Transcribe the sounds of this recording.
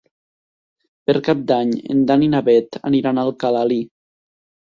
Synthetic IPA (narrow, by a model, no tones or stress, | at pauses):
peɾkap̚d̪aɲḛnd̪aninaβɛt̪a̰niɾanalˠkalali